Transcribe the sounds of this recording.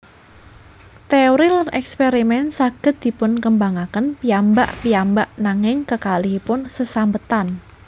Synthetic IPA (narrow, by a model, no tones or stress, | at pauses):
t̪eoɾilanʔɛkspeɾimɛnsaɡ̥ə̤t̪̚d̪̥i̤pʊnkəmbaŋakənpiambaʔpiambaʔnaŋɪŋkəkalihipʊnsəsambət̪an